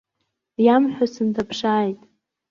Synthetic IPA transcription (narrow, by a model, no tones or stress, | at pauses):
jamħʷᶣasɨntʰapʰʂaːjtʼ